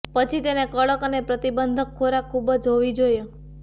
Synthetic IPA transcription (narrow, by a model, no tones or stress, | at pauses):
pət͡ʃʰit̪enekəɭəkənepɾət̪ibənd̪ʱəkʰːoɾakʰːubəd͡ʒɦoʋid͡ʒoje